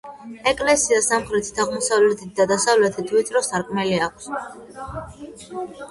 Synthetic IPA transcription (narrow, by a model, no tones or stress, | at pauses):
ɛkʼlɛsiasamχɾɛt̪ʰi̥t̪ʰaʁmɔsavlɛt̪ʰit̪̚d̪ad̪asavlɛt̪ʰit̪ʰvit̪ʰɾɔsaɾkʼmɛliakʰs